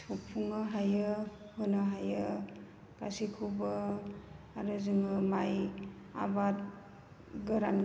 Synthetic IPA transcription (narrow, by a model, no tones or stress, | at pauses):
tʰupʰuŋɯɦajɯ | hɯnɯɦajɯ | ka̰sikʰubɯ | aɾuzɯŋɯmaj | a̰bat̚ | ɡɯɾan